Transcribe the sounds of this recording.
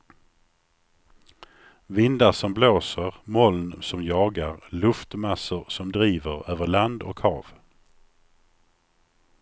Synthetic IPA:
vɪnd̪asɔmbloːsəɾmɔlnsɔmjɑːɡaɾlɵft̪masʊɾsɔmd̪ɾiːvəɾøːvəɭand̪ɔ̰khɑ̰ːv

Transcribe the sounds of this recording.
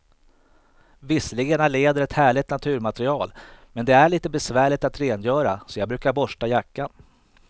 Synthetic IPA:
vɪsːəlɪɡənaleːd̪əɾɛt̪hæːɭɪt̪nat̪ʰʉ̟ːɾmat̪ɾɪɑːlmɛnd̪ɛæɭiːt̪əbɛsvæːɭɪt̪at̪ɾeːnjœːɾasɔjɑːɡbɾʉ̟ːkaɾbɔʂʈajakːan

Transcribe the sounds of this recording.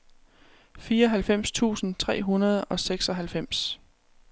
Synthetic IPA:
fiːɐɒ̽ɦælfem̰st͡sʰṵːsn̩t͡sʰʁɛ̰ːɦunɐð̞ˠɒ̽seɡ̥sɒ̽ɦælfem̰s

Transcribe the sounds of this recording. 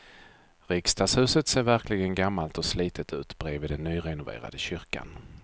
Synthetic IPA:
ɾɪkst̪ɑːshʉ̟ːsət̪seːɾvæɾklɪɡənɡamːalt̪ɔsliːt̪ʰət̪ʰʉ̟ːt̪bɾeːvɪd̪ɛnːyːɾɛnʊvḛːɾa̰d̪əɕʏɾka̰n

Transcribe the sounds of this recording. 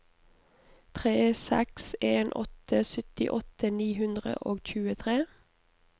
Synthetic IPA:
t̪ʰʁeːsɛ̰kseːnʔɔ̰t̪əsʏt̪ɪʔɔt̪əniːɦʉnd̪ʁə̰ʔoːɡc͡çʉːət̪ʰʁeː

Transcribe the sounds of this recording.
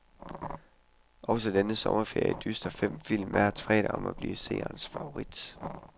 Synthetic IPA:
ʔɒ̽səd̥enəsɒ̽mɐfe̝ɐ̰jiəd̥ysd̥ɐfem̰fil̰mæɐt͡sʰʁɛ̰ːɾɐɒ̽mʔæb̥lḭːse̝̰ːɐːnsfɑ̈o̝ʁid̥

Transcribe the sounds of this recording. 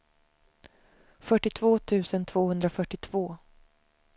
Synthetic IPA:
fœʈːɪt̪ʰvoːt̪ʰʉ̟ːsənt̪ʰv̥oːhɵnd̪ɾafœʈːɪt̪ʰv̥oː

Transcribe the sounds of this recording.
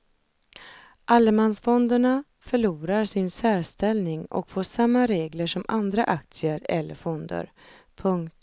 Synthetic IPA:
ʔalːəmansfɔnd̪əɳa | fœɭuːɾaɾsɪnsæːɾst̪ɛlnɪŋɔ̰kfoːʂamːaɾeːɡləʂɔmʔand̪ɾaʔakt̪sɪəɾɛlːə̰fɔnd̪ə̰ɾ | pʰɵŋkt̪

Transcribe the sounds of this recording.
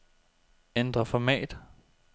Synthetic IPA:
end̥ʁɐfɒmɛ̰ːd̥

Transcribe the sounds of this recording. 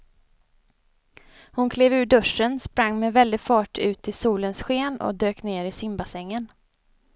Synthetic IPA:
hʊnkʰleːvʉ̟ːɖɵʂːənspɾaŋːmɛvɛld̪ɪfɑːʈʰʉ̟ːt̪ʰːɪsuːlənsɧeːnɔ̰d̪øːkneːɾɪsɪmbasɛŋːən

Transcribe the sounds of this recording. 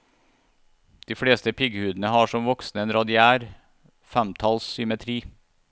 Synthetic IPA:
d̪̥iːfɽeːst̪əpʰʏɡəhʉːd̪n̩əhɑːʂɔmʋɔksnəeːnɾɑd̪ɪæːɾ | fæmt̪ʰɑlssʏmɛt̪ʰɾiː

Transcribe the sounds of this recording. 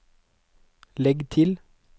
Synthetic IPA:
lɛɡt̪ʰɪl

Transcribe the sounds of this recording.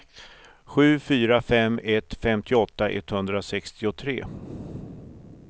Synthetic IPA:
ɧʉ̟ːfyːɾafɛmːɛt̪fɛmt̪ʰɪɔt̪ːaʔɛ̰t̪ːhɵnd̪ɾasɛkst̪ɪʊt̪ʰɾḛː

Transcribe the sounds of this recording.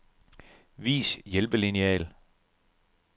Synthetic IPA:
ʋḭːsjelb̥əliniɛ̰ːl

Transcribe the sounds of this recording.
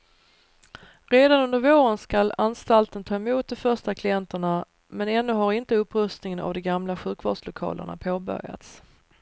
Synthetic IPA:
ɾeːd̪anɵnd̪əɾvoːɾənskalanst̪alt̪ənt̪ʰɑːɛmuːt̪̚d̪ɔmfœʂʈakʰlɪɛnt̪əɳa | mɛnɛnːɵɦaɾɪnt̪əɵpːɾɵst̪nɪŋəna̰vd̪ɔmɡamlaɧʉ̟ːkvɑ̰ːɖʂlʊkʰɑ̰ːlʔə̰ɳa̰pʰoːbœ̰ɾja̰t̪s

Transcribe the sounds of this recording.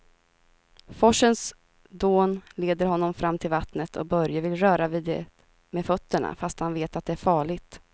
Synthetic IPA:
fɔʂəns | d̪oːnleːd̪əɾhɔnːɔmfɾʔamːt̪ʰɪlvat̪nət̪ʰɔ̰k̚bœɾjavɪlɾœːɾaviːd̪ɛ | mefœt̪ːəɳa̰fast̪hanveːt̪at̪̚d̪ɛæɾfɑːɭɪɡt̪

